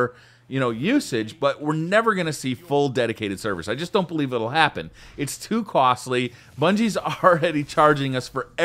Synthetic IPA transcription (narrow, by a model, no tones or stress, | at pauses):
jɨñoʊjʉsɪd͡ʒb̥ʌt̚wɪɹnɛvə˞ɡʌnɨsifʊlˠdɛɾɨkʰeɪɾɨd̥sɜ˞vɨ̰saɪd͡ʒʌsd̥õʊ̃nb̥əlivɪɾl̩ˠhæpɨ̰̃nɨtstʰʉkʰɔsˡli | b̥ʌ̃nd͡ʒizəɹɛɾit͡ʃʰɑɹd͡ʒɪ̃ŋʌsfə˞ɛ